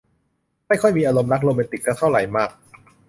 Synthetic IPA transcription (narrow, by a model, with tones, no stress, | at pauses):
ma˥˩jkʰɔ˥˩jmiː˧ʔaː˧ɾo˧mna˦˥k̚ɾoː˧mɛː˧nt̪i˨˩k̚ːa˧˥t̪ʰa˥˩wɾa˨˩jmaː˥˩k̚